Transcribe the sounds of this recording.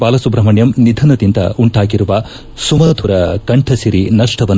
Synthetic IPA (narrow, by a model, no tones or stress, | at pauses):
paːlɐsubɾɐmɐɳjɐmnid̪ʱɐnɐd̪ind̪ɐ̰uɳʈaːɡiɾuʋɐ | sumɐːd̪ʱuɾɐkɐɳʈʰɐsiɾinɐʂʈɐʋɐn